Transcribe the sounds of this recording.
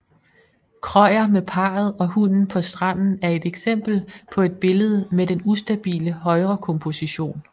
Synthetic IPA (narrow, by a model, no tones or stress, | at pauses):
kʰʁɒɪɐmepʰɑ̈ːð̞̩ˠɒ̽hunn̩pʰɒ̽sd̥ʁɑ̈n̰n̩æɐe̝d̥eɡ̥sem̰b̥l̩pʰɒ̽e̝d̥̚b̥e̝ləð̞ˠəmed̥enusd̥æb̥ḭːləɦɒ̽ɪʁɐkʰɔ̽mpʰo̝siɕo̝̰ːn